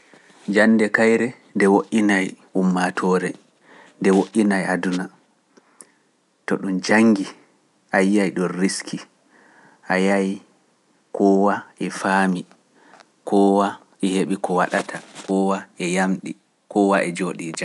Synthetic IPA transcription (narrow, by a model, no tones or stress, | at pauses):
d͡ʒanːdɛkajɾɛ | ndɛwoʔːinaj | umːatʰɔɾɛ | ndɛwoʔːinajʔaduna | tɔ̰ɗumd͡ʒaŋɡi | ʔajːajɗɔnriskʰi | ʔajaj | kʰɔwaɛfaːmi | kʰɔwa | ɛheɓikɔwaɗatʰakɔwaɛjamɗi | kɔwaʔɛd͡ʒoɗiːd͡ʒa